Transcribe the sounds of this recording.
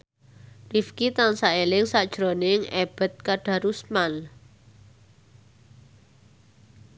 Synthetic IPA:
rifkit̪aŋsaelɪŋsad̥ʒ̥ɾonɪŋɛb̥ə̤t̪̚kaɖ̥a̤ɾusmal

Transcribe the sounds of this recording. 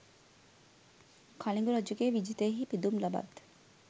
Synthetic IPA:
kʰaliŋɡuɾad͡ʒəɡeːʋid͡ʒit̪əjeɦiːpid̪umlaba̰d̪

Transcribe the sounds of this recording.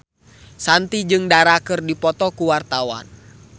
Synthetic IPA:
sant̪id͡ʒɨŋdaɾakɨrdipɔt̪ɔkuwart̪awa̰n

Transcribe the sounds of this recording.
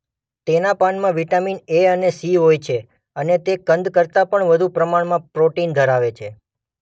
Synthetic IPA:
t̪enapanmãʋiʈamineənesiɦojt͡ʃʰe | ənet̪ekənd̪kəɾt̪apəɳʋəd̪ʱupɾəmaɳmãpɾoʈind̪ʱəɾaʋet͡ʃʰe

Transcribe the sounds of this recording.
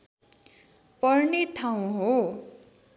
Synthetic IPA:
pʌrnet̪ʰaw̃ɦo

